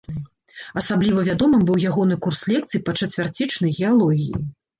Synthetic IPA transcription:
ɐsablʲivɐvʲad̪ɔmɨmbɨwjaɣɔn̪ɨkurslʲɛk̚t̪sɨjpɐt͡ʂɐt͡sʲvʲart͡sʲit͡ʂnɐjɣʲɛalˠɔɣʲḭjḭ

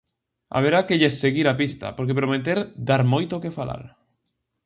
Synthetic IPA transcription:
a̰β̞eɾakeʎesːeɣiɾapist̪a̰poɾkepɾomet̪eɾd̪aɾmojt̪okefala̰ɾ

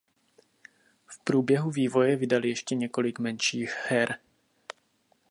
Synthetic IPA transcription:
fpɾuːbjɛɦuviːvo̞jɛvɪdalɪjɛʃcɛɲɛko̞lɪkmɛnʃiːxhɛɾ

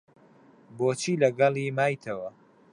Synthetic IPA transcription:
boːt͡ʃʰiːlɐɡɑlˠimaːjt̪ʰɐwɐ

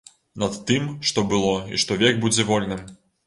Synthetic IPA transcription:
nɐt̪ːɨmʂt̪ɔbɨlˠɔḭʂt̪ɔvʲɛɡ̚bud͡zʲɛvɔlʲnɨm

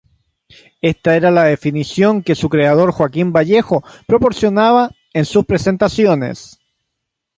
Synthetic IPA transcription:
e̞st̪aeɾalaðe̞finisjo̞ŋke̞sukɾe̞að̞o̞ɾxwakimbaʝe̞xopɾo̞po̞ɾsjo̞naβa | ensuspɾese̞nt̪asjo̞nḛs

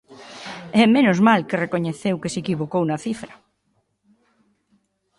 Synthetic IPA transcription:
ɛmenozmalkerekoɲeθewkesekiβokownɐθifɾɐ

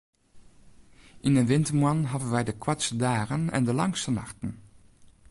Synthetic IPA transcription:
ʔɪnənʋɪntəɹmuɑnɦɑdənʋɛjdəkwatsədaːrənɛ̰ndəlɑŋstənɑ̰xtən

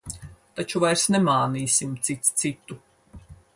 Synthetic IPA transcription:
t̪at͡ʃuvajɾsnemaːniːsʲimt̪sit̪st̪sit̪u

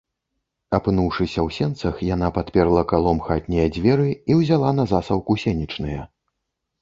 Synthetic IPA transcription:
apɨnuwʂɨsʲɐwsʲɛnt̪sɐxjanapat̪pʲɛrlˠɐkalˠɔmxat̪ʲnʲɛjɐd͡zʲvʲɛɾɨiwzʲalˠan̪ɐzasɐwkusʲɛnʲit͡ʂnɨjɐ

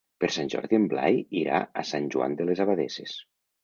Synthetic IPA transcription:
peɾsanʲʒɔ̰ɾðiembla̰jiɾa̰asanʲʒua̰nd̪elezaβaðeses

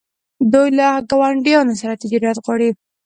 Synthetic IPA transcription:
d̪ujlaɡawaɳɖijɑnosaɾat̪ɪd͡ʒɑɾjat̪ɣwɑɽi

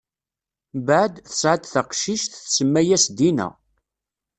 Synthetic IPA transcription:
bʕəd̪θə̥sʕad̪θəqʃiʃθθsəmːæjæsd̪inæ̰

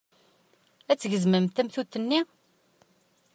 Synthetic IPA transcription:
æt͡sːʝəzməmt̪æmθut̪ːənːi

